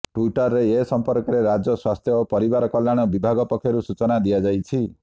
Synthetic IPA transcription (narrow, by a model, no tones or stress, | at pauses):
ʈwuiʈɔɾːeesɔmpɔɾkɔɾeɾad͡ʒɔswast̪ʰjɔopɔɾibaɾɔkɔlːaɽ̃ɔbibʱaɡɔpɔkʰːjɔɾusut͡ʃɔnad̪ijad͡ʒajt͡ʃʰi